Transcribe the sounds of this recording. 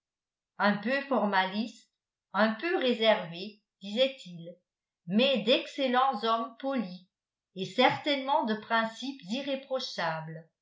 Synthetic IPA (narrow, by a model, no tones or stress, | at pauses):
œ̃pøfɔʁmalist̪ | œ̃pøʁezɛʁve | d̪̥izɛt̪ʰil | mɛd̪ɛkselɑ̃zɔmpɔli | esɛʁt̪ɛnmɑ̃d̪əpχɛ̃sipziʁepχɔʃaːbl